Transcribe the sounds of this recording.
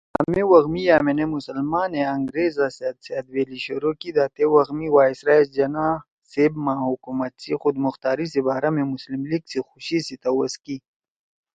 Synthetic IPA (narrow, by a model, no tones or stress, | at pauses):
a̰mewɐɣmijaːmenemusɐlmaːneɐŋɡɾeːzaset̪sead̪weːliɕoɾokid̪aːt̪ewɐɣmiwaːisɾaesd͡ʒɐna | sebmahukumat̪sixʊd̪mʊxt̪aːɾisibaːɾamemʊslimliɡsixuɕisit̪ɐwɐski